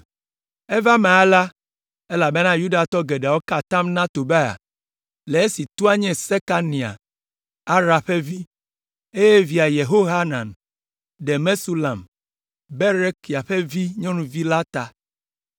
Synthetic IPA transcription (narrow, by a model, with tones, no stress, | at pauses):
e˦va˦mẽ˨a˦la˦ | e˦la˨be˦nã˦ju˦ɖa˨t̪ɔ˦ɡe˨ɖa˨wo˦ka˨t̪ã˦mnã˦t̪o˨be˦a̰˨ | le˨e˦si˨t̪u˦a˦ɲɛ̃˨se˦ka˦nĩ˨a̰˨ | a˦ɾa˨ɸe˦vi˦ | e˦je˦vi˨a˨je˨ɦo˦ɦa˦nã˨n | ɖe˨me˦su˦la˨m | be˦ɾe˦ki˨a˨ɸe˦vi˦ɲɔ̃˦nũ˨vi˦la˦t̪a˨